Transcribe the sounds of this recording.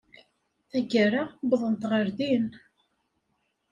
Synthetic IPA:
θæɡəɾabðˤənt̪ʁəɾðin

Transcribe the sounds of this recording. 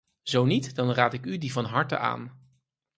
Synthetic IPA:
z̥ownitdɑnraːtɪkydivɑnɦɑɹtə̰ʔa̰ːn

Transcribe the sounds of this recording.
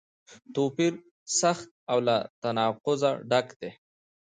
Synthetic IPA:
t̪opiɾ | saxt̪̚awlat̪anɑqʊza̰ɖakd̪̥e

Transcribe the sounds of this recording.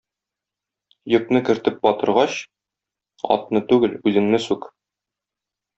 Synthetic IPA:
jɤ̆knɤkɘ̆ɾt̪ɘp̚bɒt̪ɤ̆ɾʁɑɕ | ɒ̰t̪nɤt̪ʉɡɘlʉzɘ̆ŋnɘsʉk

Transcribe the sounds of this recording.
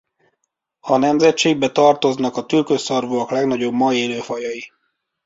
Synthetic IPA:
ɒnɛmzɛtt͡ʃeːɡ̚bɛt̪ɒrt̪o̞znɒkɒt̪ylkøsɒrvoɒklɛɡnɒɟo̞bmɒeːløːfɒjɒji

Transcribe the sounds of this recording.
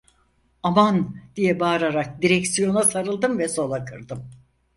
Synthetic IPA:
amand̪̥ijɛbaːɾaɾak̚d̪iɾɛcsijo̞nasaɾɯlˠd̪ɯmvɛso̞lˠakʰɯɾd̪ɯm

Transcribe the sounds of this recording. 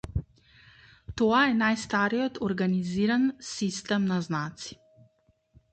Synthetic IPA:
t̪oːajɛnajst̪aːɾiɔt̪ʰɔɾɡaniziɾansist̪ɛmnaznaːt̪si̥

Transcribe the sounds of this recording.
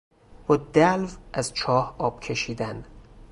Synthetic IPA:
b̥ɒːd̪ælvʔæzt͡ʃʰɒːhɒːb̥̚cʰe̞ʃiːd̪æn

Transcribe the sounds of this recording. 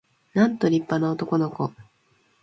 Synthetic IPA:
nãnt̪o̞ɾʲipːanaot̪o̞ko̞no̞ko̞

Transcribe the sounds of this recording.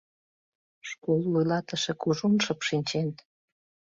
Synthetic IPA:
ʃkolːujlɑt̪ə̆ʃekuʒunʃə̆pʃinʲt͡ɕen

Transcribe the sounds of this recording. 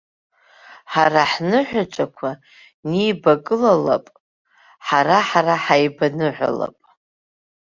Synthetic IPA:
ħaraħnɨħʷᶣat͡ʃʷʼakʷʰa | nijbakʼɨlala̰pʼ | ħaɾaħaraħajbanɨħʷa̰la̰pʼ

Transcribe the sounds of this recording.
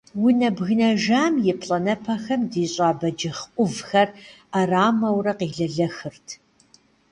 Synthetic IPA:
wʊnɐbɣɨnɐʒaːmjɪpʰɬʼɐnɐpʰɐxɐmdiːɕʼaːbɐd͡ʒɪχʔʷʊvxɐraraːmɐwrɐqiːɮɐɮɐxɨrtʰ

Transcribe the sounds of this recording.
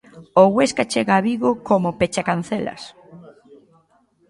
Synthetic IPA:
oɣweskat͡ʃeɣaːβiɣokomopet͡ʃakan̟θelɐ̰s

